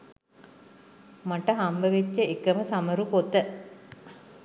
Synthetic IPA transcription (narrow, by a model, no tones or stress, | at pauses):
maʈəɦambəʋet͡ʃːəekəməsaməɾukot̪ə